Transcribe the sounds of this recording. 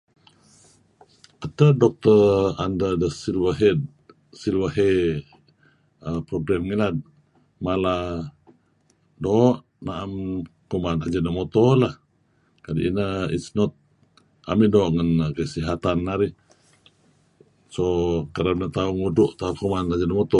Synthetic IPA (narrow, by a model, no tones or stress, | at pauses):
at̪ədɔk̚t̪əa̰ndədəsilwəɦɛd | silwəɦe | əpɾoɡɾɛmŋilad̪̚ | mala | dɔʔ | naʔamkumanad͡ʒənəmot̪ɔlah | kadḭʔinəḭsnɔt̪̚ | a̰midoʔŋənkəsiɦat̪anːaɾi | sokəɾabnət̪auŋuduʔt̪aukumanad͡ʒənəmɔt̪ɔ